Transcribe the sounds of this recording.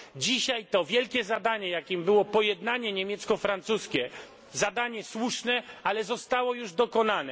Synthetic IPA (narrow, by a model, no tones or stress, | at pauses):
d͡ʑiɕajt̪ɔvʲjɛlkʲɛzad̪aɲɛjakʲimbɘwɔpɔjɛd̪naɲɛɲemʲjɛt̪skɔfɾant̪suskʲɛ | zad̪aɲɛswuʂnɛalɛzɔst̪awɔjuʐd̪ɔkɔnanɛ